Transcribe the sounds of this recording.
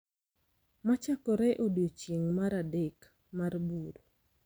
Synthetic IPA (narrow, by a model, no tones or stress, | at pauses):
mat͡ʃakɔɾɛʔodjot͡ʃeŋmaɾadek | marbuɾ